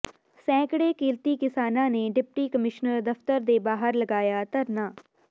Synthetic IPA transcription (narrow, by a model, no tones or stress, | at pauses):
sɛ̃ːkɽeːkiːlt̪iːkɪsaːnãːneːɖɪp̚ʈiːkəmɪʃnəɾd̪əft̪əɾd̪eːbaːɦəɾləɡaːjaːt̪əɾnaː